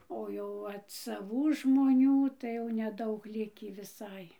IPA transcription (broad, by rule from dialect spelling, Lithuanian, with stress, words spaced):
oː ˈjɛʊ ˈʋɐt sɐˈʋuː ʒmoːˈnʲuː tɐɪ jɛʊ nʲɛˈdɐʊk ˈlʲɪkʲiː ʋʲɪˈsɐɪ